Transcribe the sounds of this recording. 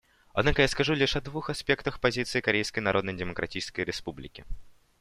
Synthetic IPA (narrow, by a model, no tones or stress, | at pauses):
ɐd̪nakəjaskɐʐulʲiʂɐd̪vuxɐspʲekt̪əxpɐzʲit̪sɨɪkɐɾʲejskəjnɐɾo̞d̪nəjdʲɪməkɾɐtʲit͡ɕɪskəjɾʲɪspublʲɪ̰kʲɪ